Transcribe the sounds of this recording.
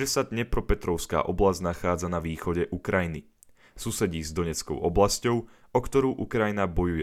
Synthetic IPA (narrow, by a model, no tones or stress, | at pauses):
ɛsad̪ɲɛpɾɔpɛt̪ɾɔʊska̰ːʔɔblazɟnaxaːd͡zanaʋiːxɔɟɛʔukɾajini | susɛɟiːzd̪ɔɲɛt͡skɔ̰ʊʔɔblascɔʊ | ɔkt̪ɔɾuːʔukɾajinabɔjujɛ